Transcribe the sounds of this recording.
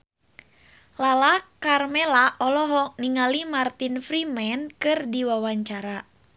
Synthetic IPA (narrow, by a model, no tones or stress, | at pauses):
lalakarmɛlaʔɔlɔɦɔk̚niŋalimart̪infɾimɛnkɨrdiwawaɲt͡ʃaɾa